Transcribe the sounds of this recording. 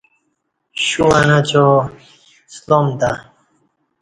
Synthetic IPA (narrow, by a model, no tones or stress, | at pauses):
ɕuɐnat͡ɕo | slomd̪a